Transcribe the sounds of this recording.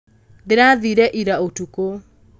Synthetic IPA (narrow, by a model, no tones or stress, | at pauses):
deɾaðiɾɛʔiɾaotuko